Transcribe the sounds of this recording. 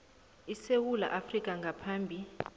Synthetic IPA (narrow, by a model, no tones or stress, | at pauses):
isewula̰ʔafrikʼaŋɡʱapʰaːmbʱi